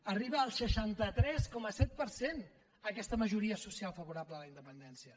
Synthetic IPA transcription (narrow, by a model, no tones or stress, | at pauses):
əriβəːlˠsəʃant̪ət̪ɾɛskɔməsɛt̪̚pəɾsen | əkɛst̪əməʒuɾiəsusjalˠfəβuɾabləələind̪əpənd̪ɛnsiə